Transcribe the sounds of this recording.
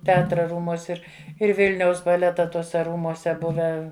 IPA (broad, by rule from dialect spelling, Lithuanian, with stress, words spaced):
tʲɛˈɑːtrɐ ˈruːmuɔsʲ ˈɪr ɪr ˈʋʲɪlʲnʲɛʊs bɐˈlʲæːtɐ ˈtuɔsʲɛ ˈruːmuɔsʲɛ ˈbʊʋʲæː